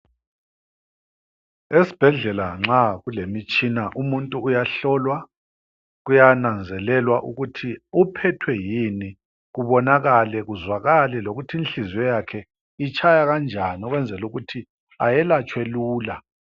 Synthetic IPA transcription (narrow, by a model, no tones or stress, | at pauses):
esi̥b̥ʱɛɮɛlaŋ͡ǁaɣulemit͡ʃʼinaʔumuntʼuːjaɬɔlwa | ɣujanand͡zʱɛlɛlwaʔuɣutʰiupʰɛtʰwɛjini | ɣuβɔnaɣalɛɣuzwaɣalɛloɣutʰiinɬizwɛjakʰɛ | it͡ʃʰʼajaɣand͡ʒʱaniɔɣwɛnd͡zʱɛluɣutʰi | ajɛlat͡ʃʼweluːla